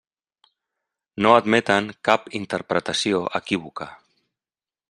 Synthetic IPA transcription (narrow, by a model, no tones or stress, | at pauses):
noad̪mɛt̪əŋkapint̪əɾpɾət̪asioʔəkiβ̞uka